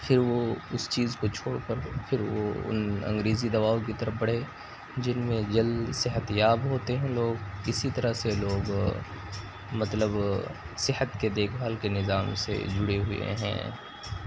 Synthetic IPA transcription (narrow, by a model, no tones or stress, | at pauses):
fʰɪɾʋoʊst͡ʃiːzkot͡ʃʰoːɽkəɾfʰɪɾʋo̰ʊ̰nɐ̰̃ŋɡɾeːzid̪ɐbaːõkit̪ɐɾəfbɐɽ̤eː | d͡ʒɪnmẽd͡ʒɐld̪sɪɦət̪jaːbɦoːt̪eɦɛ̃loːɡɪsit̪ɐɾəseloːɡ | mɐt̪ləb | sɪɦət̪ked̪eːkʰbʱaːlkenɪzaːmsḛd͡ʒʊɽeɦʊḛɦɛ̰̃ː